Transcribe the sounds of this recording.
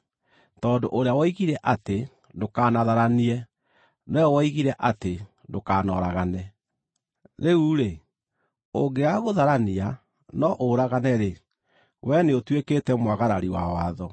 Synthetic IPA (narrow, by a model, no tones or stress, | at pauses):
tɔːdoʔoɾeawɔiɣiɾɛʔate | ndokaːnaðaɾaniɛ | nɛwɔiɣiɾɛʔate | ndokanɔ̰ːɾaɣanɛ | ɾeuɾe | oɡeaɣoðaɾania | nɔʔoɾaɣanɛɾe | wɛneotweketɛmwaɣaɾaɾiwawaðɔ